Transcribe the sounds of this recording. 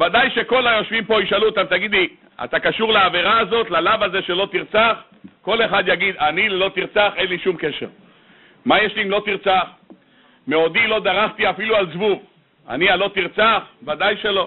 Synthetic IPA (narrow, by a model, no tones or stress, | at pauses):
vad̪ajʃe̞ko̞lajo̞ʃvimpo̞iʃalut̪amt̪aɡid̪li | a̰t̪akaʃuʁleaveʁaːzo̞t̪lalavaze̞ʃe̞lo̞t̪iʁt͡saχ | ko̞le̞χad̪jaɡid̪anilo̞t̪iʁt͡saχe̞nliʃumkeʃeʁ | majeʃlimlo̞t̪iʁt͡saχ | meo̞d̪ilo̞d̪aʁaχt̪iafilualzvuv | a̰nialo̞t̪iʁt͡saχvad̪ajʃelo